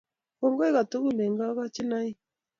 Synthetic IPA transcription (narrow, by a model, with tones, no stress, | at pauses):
kɔ˨ŋɡɔ˦ɛ˦ɣa˨tu˦ɣu˦˨le˨ŋɡa˦ɣa˦t͡ʃi˦na˦i˦